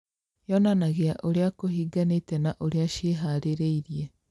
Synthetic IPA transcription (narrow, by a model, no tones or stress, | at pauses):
jɔnanaɣeaʔoɾeakohiːɡanetɛnaʔoɾeaʃeɦaɾeɾeiɾie